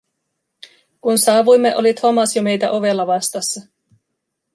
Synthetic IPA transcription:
kunsɑːʋujmːe̞ʔo̞̰lit̪homɑsjome̞jt̪æʔo̞ʋe̞lːɑʋɑst̪ɑsːɑ

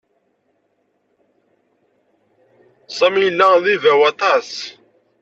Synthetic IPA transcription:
sˤɑmijəlːæðivæwɑt̪ˤɑs

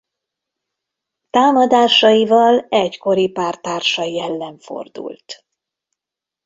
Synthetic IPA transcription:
t̪aːmɒd̪aːʃɒjivɒlɛcko̞ɾipaːrt̪aːrʃɒjiɛlːɛɱfo̞̰rd̪ṵlt̪

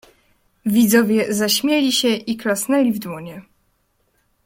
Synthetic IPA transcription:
vʲid̪zɔvʲjɛzaɕmʲjɛlʲiɕɛʔiklasnɛlʲivd̪wɔɲɛ

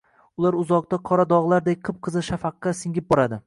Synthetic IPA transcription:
ʊlˠaɾʊzɒq̚t̪aqʰɒɾad̪ɒʁlˠaɾd̪ek̚ʲqʰɨp̚qʰɨzɪʃafaqːɑsɪŋʲɪp̚bɒɾad̪ɪ

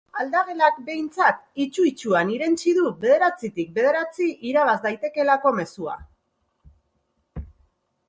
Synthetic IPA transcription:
ald̪aɣe̞lak̚be̞jnt͡sat̪it͡ʃuit͡ʃuaniɾe̞nt͡ʃiðuβe̞ðe̞ɾat͡sit̪ik̚be̞ð̞e̞ɾat͡siʔiɾaβ̞azd̪ajt̪e̞ke̞lako̞me̞sua̰

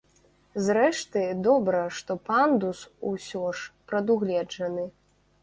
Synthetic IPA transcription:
zɾɛʂt̪ɨd̪ɔbɾɐʂt̪ɔpand̪ususʲɔʂpɾɐd̪uɣlʲɛd͡ʐɐnɨ

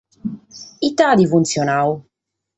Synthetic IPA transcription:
it̪ad̪ifunt̪sjɔnaːwu

